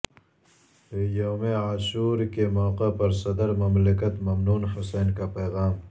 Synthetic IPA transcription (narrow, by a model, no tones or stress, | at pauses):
joːmeaːʃuːɾkemɔːqepɐɾsɐd̪əɾmɐmləkət̪mɐmnuːnɦʊseːnkapeːɣaːm